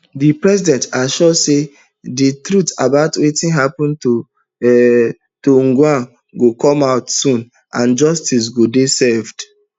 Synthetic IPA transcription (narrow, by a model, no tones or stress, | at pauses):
dipɹɛsidɛ̃ntaʃɔse | ditɾutabaʊtwetĩnɦapɔ̃nt | toŋ̩ɡwãn | ɡokɔ̃maʊtsũn | ãnd͡ʒɔstis̬ɡodesɛvd̥